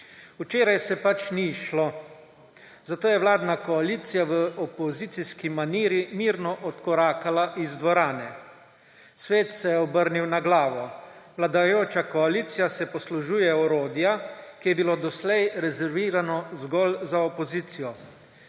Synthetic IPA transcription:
ut͡ʃeːɾajsɛpat͡ʃniʃlo | zat̪oːjɛwlaːd̪nakɔaliːt̪sijaʋəɔpɔzit̪siskimaniːɾimiːɾnɔʔɔt̪kɔɾaːkalaʔizd̪ʋɔɾaːnɛ | sʋeːt̪sɛjɛɔbəɾniwnaɡlaːʋɔ | ʋlad̪ajoːt͡ʃakɔaliːt̪sijasɛpɔsluʒuːjɛɔɾoːd̪jakijɛbiloːd̪ɔslɛjɾɛzɛɾʋiːɾanɔzɡɔlzaɔpɔziːt̪sijɔ

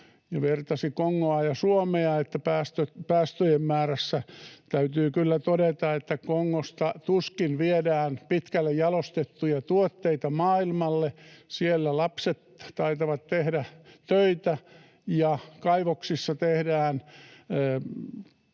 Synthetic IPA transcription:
jɑʋert̪ɑsikoŋːoɑjɑsuomeɑet̪ːæpæːst̪øpæːst̪øjemmæːræsːæt̪æyt̪yːkylːæt̪odet̪ɑet̪ːækoŋːost̪ɑt̪uskinʋiedæːnpit̪kælːejjɑlost̪et̪ːujɑt̪uot̪ːeit̪ɑmɑːilmɑlːesielːælɑpset̪t̪ɑit̪ɑʋɑt̪t̪ehdæt̪øit̪æ | jɑkɑiʋoksisːɑt̪ehdæːnː

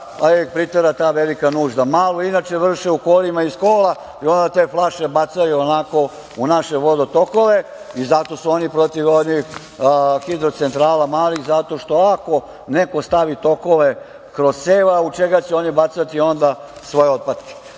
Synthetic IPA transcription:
aepɾit̪eɾat̪aːʋelikanuːʒd̪amaːloinat͡ʃeʋr̩ʃeukoːlimaiskoːla | io̞nd̪at̪e̞ːflˠaʃe̞bat̪sajuonako̞ | unaʃe̞ʋo̞d̪ot̪o̞ko̞ʋe | izat̪o̞suo̞nipɾo̞t̪iʋod̪nix | xid̪ɾot̪sent̪ɾaːlamaːliɣzat̪o̞ʃt̪o̞ako̞ | ne̞ko̞st̪aʋit̪o̞ko̞ʋe | kɾo̞z̥seːʋaut͡ʃeɡat͡ɕɛo̞nibat̪sat̪io̞nd̪asʋojeo̞d̪̚pad̪ki̥

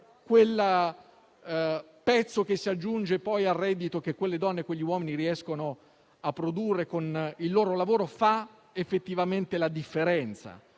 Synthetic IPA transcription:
kwel | pɛt̪sːokesːiad͡ʒːund͡ʒepɔjarːɛd̪ːit̪ok̟ekwelːed̪ɔnːekweʎːiwɔːminiɾiɛskono | apːɾod̪urːekonilːoːɾolavoːɾofa | efːet̪ːivament̪elad̪ifːeɾɛnt̪sa̰

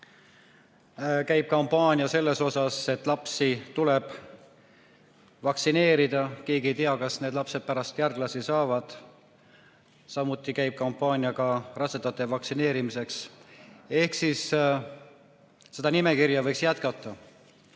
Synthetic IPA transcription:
kæjb̥̚kɑmpːɑːnʲijɑse̞lːe̞so̞sɑse̞t̪ːˑlɑpsit̪ule̞b̥ | vɑksine̞ːɾid̪̥ɑke̞ːɡiejt̪eɑkɑsne̞ːd̪lɑpse̞d̪̥̚pæɾɑst̪jærɡ̥lɑsisɑːvɑd̪̥ | sɑmut̪ːˑikæjb̥̚kɑmpːˑɑːnʲijɑɡɑrɑsed̪̥ɑt̪ːˑevɑksine̞ːɾimise̞ks | e̞hksis | e̞d̪̥ɑnime̞kiɾjɑvɤjksjæt̪kɑt̪ːˑɑ

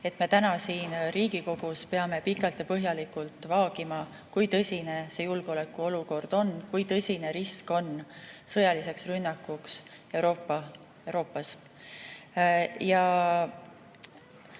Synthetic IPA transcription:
e̞t̪me̞t̪ænɑsiːnriːɡ̥iko̞ɡ̥uspe̞ɑme̞pikːˑɑlt̪jɑpɤɦjɑlikult̪ˑvɑːɡ̥imɑ | kujt̪ɤsʲine̞se̞julɡ̥o̞le̞kːˑuo̞luko̞rd̪̥o̞nkujt̪ɤsʲine̞ɾisko̞nsɤjɑlise̞ksrynːɑkːˑuks | e̞wɾo̞ːpːɑ | eɾo̞ːpːɑs | jɑ

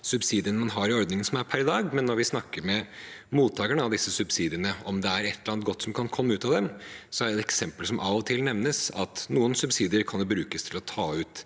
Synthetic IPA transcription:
sʉbsiːd̪ɪənəmɑnɦɑɾɪɔɾd̪nɪŋənsɔmæɾpʰæɾd̪ɑːɡmɛnːɔɾʋɪsnɑkːəɾmɛmuːt̪ʰːɑːɡəɳəɑʋd̪ɪsːəsʉbsiːd̪ɪəɳəɔmd̪ɛæɾɛt̪ʰːəɾɑnt̪̚ɡɔt̪ːsɔmkʰɑnkʰɔmːəʉːt̪ɑd̪ɛmsɔæɖɛɛɛksɛmpəlsɔmʔɑʋɔt̪ʰɪlnɛʋnəsɑt̪nuːənsʉbsiːd̪ɪəɾkʰɑnd̪ubɾʉːkəst̪ʰɪlɔt̪ʰɑːʉːt̪

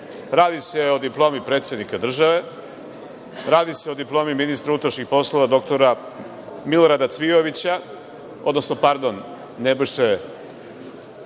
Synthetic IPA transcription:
ɾaːd̪ise̞o̞d̪iplˠo̞ːmipɾet̪sjed̪nikad̪r̩ʒaʋe̞ | ɾaːd̪iseo̞d̪iplˠo̞ːmiminist̪ɾuut̪ɾaʃɲʲixpo̞slˠo̞ʋad̪o̞k̚t̪o̞ɾa | milo̞ɾad̪at̪sʋio̞ʋit͡ɕa | o̰d̪no̞sno̞paɾd̪o̞nː | ebiʃe

